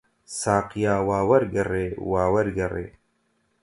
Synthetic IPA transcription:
saːqjaːwaːwɐɾɡɐreːwaːwɐɾɡɐrḛː

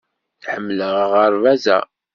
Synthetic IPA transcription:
θħəmːləʁʁəɾvæzæ̰

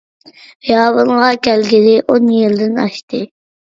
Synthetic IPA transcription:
jɑːβəlʁɑkʲælɡʲɪd̪ɪʔonjɪld̪ɪnɑ̰ʃt̪ɪ

